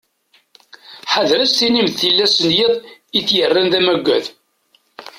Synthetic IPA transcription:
ħaðɾæst̪inimθθilːæsənjiðˤiθjərːænðæmæɡʷːæð

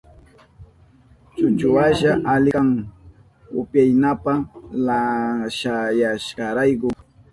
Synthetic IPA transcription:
t͡ʃʊt͡ʃʊwaʃaʔalɪaŋ | ʊ̰pjajnapalaʃajaʃɢɑɾajkʊ

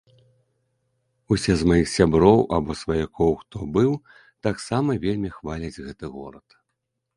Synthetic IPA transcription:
usʲɛzmajixsʲabɾɔwabɔsvajakʰɔwxt̪ɔbɨw | t̪aksamɐvʲelʲmʲixvalʲɐd͡zʲɣɛt̪ɨɣɔ̰ɾɐt̪

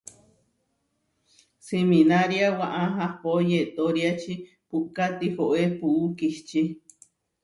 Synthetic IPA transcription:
siminaɾjawaʔaɦãpojet̪oɾiat͡ʃi | puʔkat̪ihoʔepuʔukiht͡ʃi

